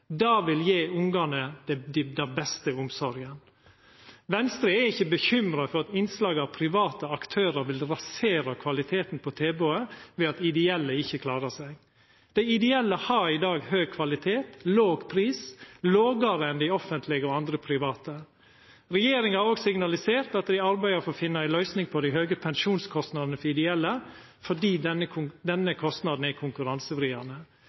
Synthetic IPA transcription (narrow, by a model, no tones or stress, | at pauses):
d̪ɑːʋɪljeːʊŋɡɑnəd̪ɛd̪ɪd̪ɛnbɛst̪əʊmsɔɾɡən | ʋɛnst̪ɾiæɾɪçːəbəçʏmɾɑfɔɾɑt̪ɪnslɑːɡɑʋpʰɾɪʋɑːt̪əɑkt̪ʰøːɾəɾʋɪlɾɑseːɾɑkʰʋɑlɪt̪ʰeːt̪n̩pʰɔt̪ʰeːboːəʋeːɑt̪ɪd̪ɛɛlːəɪçːəkʰlɑːɾəsɛɡ | d̪̥ɛɪɪd̪ɛɛlːəhɑɾɪd̪ɑːɡhøːɡ̚kʰʋɑlɪt̪ʰeːt̪loːɡpʰɾiːsloːɡəɾəɛnd̪ɪɔfənt̪ʰlɪɡəɔɑnd̪ɾəpʰɾɪʋɑːt̪ə | ɾɛjeːɾɪŋhɑɾɔːɡsɪŋnɑlɪseːɾt̪ɑt̪d̪ɪɑɾbæɪɑfoːfɪnːəæɪlœʏsnɪŋpʰɔd̪ɪɦøːɡəpʰɛŋʃuːnskʰɔst̪nɑd̪nəfɔɾɪd̪ɛɛlːə | fɔɖiːd̪nəkʰʊd̪ɛnːəkʰɔst̪nɑd̪n̩ækʰʊŋkʉɾɑnsəfɾiːɑnə